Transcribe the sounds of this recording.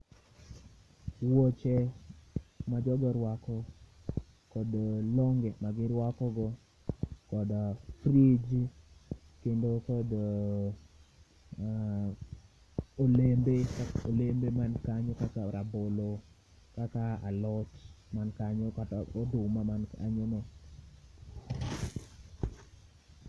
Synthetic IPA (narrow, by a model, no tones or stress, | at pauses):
wɔt͡ʃɛ | mad͡ʒɔɡɔɾwakɔ | kɔdlɔŋɡemaɡɪɾwakɔɡɔ | kɔdfɾid͡ʒ | kendokɔd | olembekaolembemankaɲokakaɾabolo | kakaa̰lɔt͡ʃmankaɲokatodʊmamana̰ɲono